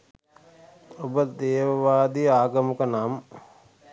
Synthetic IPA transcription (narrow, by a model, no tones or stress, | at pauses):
obəd̪eːʋəʋaːd̪ijəaːɡəməkənam